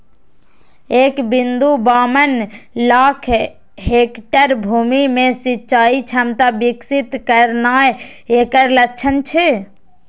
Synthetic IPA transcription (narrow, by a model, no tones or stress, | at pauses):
ekbind̪ubaːmənlakʰ | ɦekʈəɾbʱumimẽsitːt͡ʃait͡ʃʰəmt̪abiksit̪kəɾnaj | ekəɾlət͡ʃʰənt͡ʃʰɛ